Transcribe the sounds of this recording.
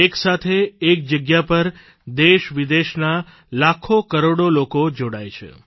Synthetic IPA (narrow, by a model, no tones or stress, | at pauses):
eksat̪ʰeːk̚d͡ʒəɡjapəɾ | d̪eʃʋid̪eʃna | lakʰokəɾoɽolokod͡ʒoɽajt͡ʃʰḛ